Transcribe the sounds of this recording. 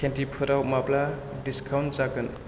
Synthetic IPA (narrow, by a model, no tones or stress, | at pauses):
kʰentipʰɯɾawmapla | diskʰawnt͡ʃakɯn